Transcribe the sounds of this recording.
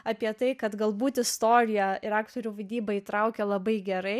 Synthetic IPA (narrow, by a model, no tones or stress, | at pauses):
ɑːpʲiɛt̪ɐɪkɐt̪ɡɐlˠbuːt̪ɪst̪oːɾʲɪjɛɪɾɑːkt̪oːɾʲuːʋɐd̪ʲiːbɐit̪ɾɐʊkʲɛlˠɐbɐɪɡʲɛɾɐɪ